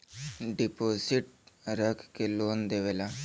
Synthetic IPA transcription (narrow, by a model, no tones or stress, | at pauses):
ɖɪpoːsɪʈ̚ɾəkʰkeloːnd̪eʋeːla